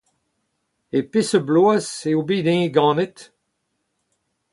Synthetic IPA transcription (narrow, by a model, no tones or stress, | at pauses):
epesəbloaseobid̪ɛ̃ɡɑ̃ːnɛt̪